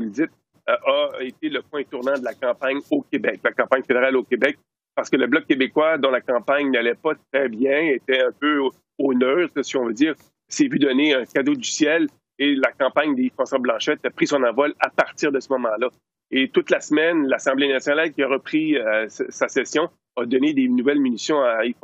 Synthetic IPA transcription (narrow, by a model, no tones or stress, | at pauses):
vuld͡z̪ɪt̪̚ | ʔaet̪eləpwɛ̃t̪uʁnɑ̃d̪əlakɑ̃paɲokʲebɛk̚lakɑ̃paɲfed̪eʁalokʲebɛk̚ | paʁsə̥kələblʌk̚ʲːebekwad̪ɔ̃lakɑ̃paɲnalɛpʌt̪χɛbjɛ̃et̪ɛɛ̃pø | onœːt̪siɔ̃vød͡z̪iːʁ | sɛvyd̪ʌneœ̃kʲad̪od̪ysjɛl | elakɑ̃paɲd̪eifɑ̃sɔblɑ̃ʃɛt̪apʁisɔ̃nɑ̃vɔlapaʁt̪iːʁd̪əsəmɔmɑ̃lʌ | et̪ʊt̪lasmɛnlasɑ̃blenasjɔnalkʲiaʁəpχissasɛsjɔ̃ | ɐd̪ɔned̪enuvɛlmynisjɔ̃aif